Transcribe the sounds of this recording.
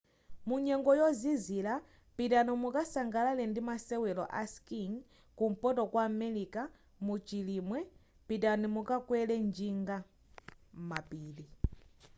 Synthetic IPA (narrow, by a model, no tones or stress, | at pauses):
muɲɛŋɡɔjɔzizila | pitanimukasaŋɡalalɛndimasɛwɛlɔ̰ʔaskiŋ | kum̩pɔtɔkwamɛlika | mut͡ʃilimwɛ | pitanimukakwɛlɛnd͡ʒiŋɡa | mapiːli